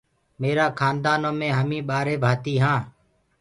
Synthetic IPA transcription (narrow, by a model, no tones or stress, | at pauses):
meːɾaːkʰaːnd̪aːnõːmẽːɦəmĩːɓaːɾeːbʱaːt̪iːɦãː